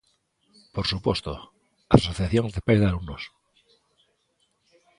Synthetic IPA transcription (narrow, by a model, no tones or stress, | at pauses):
poɾsupwest̪o̰ | asoθjaθjoŋzðepajzðealumnos